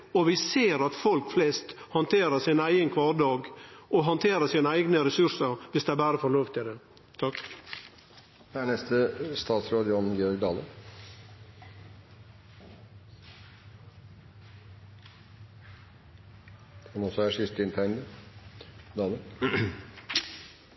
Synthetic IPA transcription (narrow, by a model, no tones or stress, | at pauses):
ɔʋɪseːɾɑt̪fɔlkflɛst̪hɑnt̪ʰeːɾəsɪnæɪɡənkʰʋɑːɾɖ̪ɑːɡʔɔɦɑnt̪ʰeːɾəsiːnəæɪɡnəɾɛsʉɾsəɾʋɪsd̪ɛæbæːɾəfɔɭoːʋt̪ɪd̪ɛ | t̪ʰɑk | æɳɛst̪əst̪ɑːt̪sɾoːd̪əɔnn̩ɡɪɔɾɡd̪ɑːlə | ɑnɔsɔæʂɪst̪ɪnt̪ʰæɪnd̪ə | d̪ɑːlə